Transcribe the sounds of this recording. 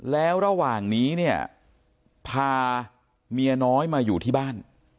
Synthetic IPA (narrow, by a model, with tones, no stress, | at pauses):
lɛː˦˥wɾa˧waː˨˩ŋniː˦˥ni˥˩ɐ | pʰaː˧ | mi˧ɐnɔː˦˥jmaː˧juː˨˩t̪ʰiː˥˩baː˥˩n